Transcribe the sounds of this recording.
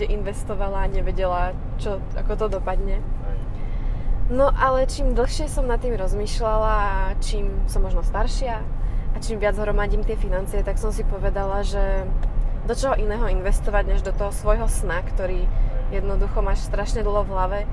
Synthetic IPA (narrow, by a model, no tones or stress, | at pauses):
ɛʔinʋɛst̪ɔʋalaːɲɛʋɛɟɛla | t͡ʃɔ | a̰kɔt̪ɔd̪ɔpad̪ɲɛ | nɔʔalɛt͡ʃiːmd̪l̩ˠxʃɪɛsɔmnat̪ːiːmɾɔzmiːʃlalaːt͡ʃiːmsɔmːɔʒnɔst̪aɾʃɪaːt͡ʃiːmʋɪad͡zɦɾɔmaɟiːmt̪ɪɛfinant͡siɪɛt̪aksɔmsipɔʋɛd̪alaʒɛ | d̪ɔt͡ʃɔɦɔʔinɛːɦɔinʋɛst̪ɔʋaɟɲɛʒd̪ɔt̪ɔɦɔsʋɔjɦɔsnakt̪ɔɾiːjɛd̪nɔd̪uxɔmaːʃst̪ɾaʃɲɛd̪l̩ˠɦɔvɦlaʋɛ